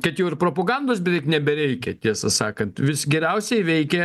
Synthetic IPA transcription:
kɐt̪jɛʊɪɾpɾoːpoːɡɐnd̪oːs̬bʲɛt̪ʋɛɪknʲɛbʲɛɾʲɛɪkʲɛt̪ʲiɛsɐsɑːkɐnt̪ʋʲɪsɡʲɛɾʲɛʊsʲɛɪʋʲɛɪkʲɛ

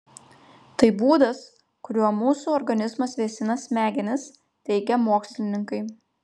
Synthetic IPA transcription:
t̪ɐɪbuːd̪ɐs | kʊɾʲuɔmuːsuːɔɾɡɐnʲɪzmɐsʋʲeːsʲɪnɐsmʲæːɡʲɪnʲɪs | t̪ʲɛɪɡʲɛmoːksʲlʲɪnʲɪŋkɐɪ

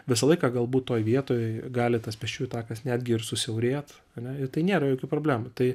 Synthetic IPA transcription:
ʋʲɪsɐlˠɐɪkɐɡɐlˠbuːt̪toːjʋʲiɛt̪oːjɛɪɡɑːlʲɪt̪ɐspʲɛʃʲt͡ʃʲuːjt̪ɑːkɐsnʲæːd̪ʲɡʲɪɪɾrsʊsʲɛʊɾʲeːt̪ | ɐnʲɛɪɾt̪ɐɪnʲeːɾɐjoːkʲuːpɾoːblʲæːmʊt̪ɐɪ

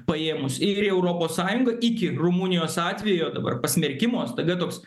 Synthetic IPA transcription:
pɐeːmʊsɪɾɛʊɾoːpoːssɑːjʊŋɡɐʔɪkʲɪrumuːnʲɪjoːsɑːt̪ʲʋʲɛːjoːd̪ɐbɐ̰rpɐsʲmʲɛɾʲkʲɪmoːst̪ɐd̪ɐt̪oːks

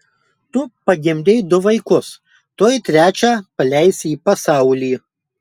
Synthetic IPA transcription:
t̪ʊpɐɡʲɪmʲd̪ʲeɪd̪ʊʋɐɪkʊs | t̪oːjt̪ʲɾʲæːt͡ʃʲæːpɐlʲæɪsʲiːpɐsɑˑʊlʲiː

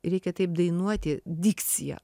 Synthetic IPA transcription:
ɾʲɛɪkʲɛt̪ɐɪp̚d̪ɐɪnuɔt̪ʲɪd̪ʲɪkt̪sʲɪjɛ̰

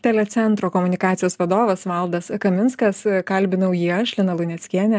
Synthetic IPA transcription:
t̪ʲɛlʲɛt̪sʲɛnt̪ɾoːkoːmʊnʲɪkɑːt̪ʲɪjoːsʋɐd̪oːʋɐsʋɐlˠd̪ɐskɐmʲɪnskɐskɐlʲbʲɪnɐʊjiːɐʃʲlʲɪnɐlˠʊnʲɛsʲkʲiɛnʲɛ

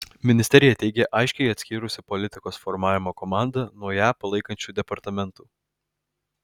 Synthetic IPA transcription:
mʲɪnʲɪsʲt̪ʲɛɾʲɪjɛt̪ʲɛɪɡʲeʔɐɪʃʲkʲɛɪɐt̪ʲsʲkʲiːɾʊsʲɪpɔlʲɪt̪ʲɪkoːsfɔɾmɑːʋʲɪmoːkɔmɑːˑnd̪ɐnuɔjæːpɐlˠɐɪkɐnʲt͡ʃʲuːd̪ʲɛpɐɾt̪ɐmʲɛnt̪uː

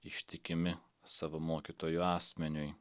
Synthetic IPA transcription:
ɪʃʲt̪ʲɪkʲɪmʲɪ | sɑʋɐmoːkʲit̪oːjʊɑːsʲmʲɛnʲʊj

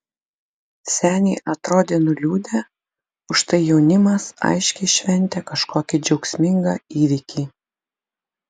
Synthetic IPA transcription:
sʲæːnʲiːʔɐt̪ɾoːd̪ʲeːnʊlʲuːd̪ʲɛ | ʊʃt̪ɐɪjɛʊnʲɪmɐsɐ̰ɪʃʲkʲɛɪʃʲʋʲɛnʲˑt̪ʲɛkɐʃkoːkʲɪd͡ʒʲɛʊksʲmʲɪŋɡɐiːʋʲɪkʲiː

